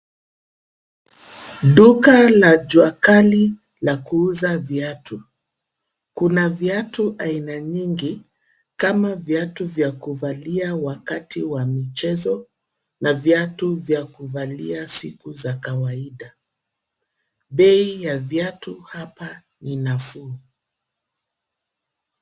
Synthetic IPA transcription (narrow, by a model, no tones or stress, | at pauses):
ɗukalad͡ʒwakali | lakuuzavjatu | kunavjatuʔainaɲiŋɡi | kamavjatuvjakuvaliawakatiwamit͡ʃɛzɔ | navjatuvjakuvaliasikuzakawaiɗa | ɓɛijavjatuhapa | ninafuː